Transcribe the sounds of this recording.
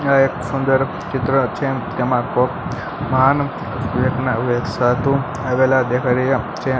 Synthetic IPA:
aeksund̪əɾ | t͡ʃɪt̪ɾət͡ʃʰet̪emãkok | məɦanəmt̪ikʋjeknaʋeksat̪ũ | aʋelad̪ekʰaɾejat͡ʃʰe

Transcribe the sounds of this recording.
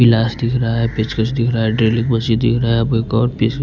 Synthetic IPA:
ɪlaːsd̪ɪkʰɾɐɦaɦɛpet͡ʃkət͡ʃd̪ɪkʰɾɐaɦɛɖɾeːlɪkmɐsid̪ɪ̰kʰɾɐaɛpokɔːɾpis

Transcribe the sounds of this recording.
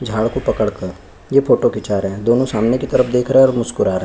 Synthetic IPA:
d͡ʒʱaːɭkopɐkəɽkɐɾ | jefʰoːʈokɪt͡ʃaːɾɦɛ̃d̪oːnõsaːmnekit̪ɐɾəfd̪eːkʰɾɐɦɛ̃ɔːɾmʊskʊɾaːɾɐɦɛ

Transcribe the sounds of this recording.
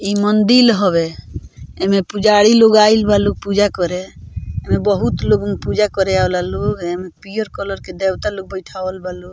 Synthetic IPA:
imənd̪ilɦɔβe | emepud͡ʒaɽiloɡailbaloɡ̚pud͡ʒakɔɾeemebəɦut̪loɡmepud͡ʒakɔɾeaolaloɡemepijəɾkɔləɾked̪ewt̪aloɡ̚bəjʈʰaəlbaloɡ

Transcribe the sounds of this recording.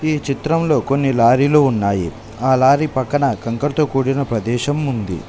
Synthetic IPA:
iːt͡ʃit̪ɾɐmlo̞ːko̞nːilaːɾiloːunːaːjḭ | aːlaːɾipɐkːɐɳɐkɐŋkɐɾt̪oːkuːɽinɐpɾɐd̪ɛːʃɐmːund̪ḭ

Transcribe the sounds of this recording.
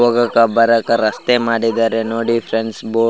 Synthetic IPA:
oɡɐkɐbɐɾɐkɐɾɐst̪emaːɽid̪aːɾenoːɽipʰɾeɳsboː

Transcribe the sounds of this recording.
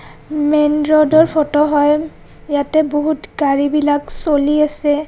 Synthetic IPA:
mɛnɹɔdɔɹpʰɔtɔɦɔj | jatɛboɦutɡaɹibilaksoliasɛ

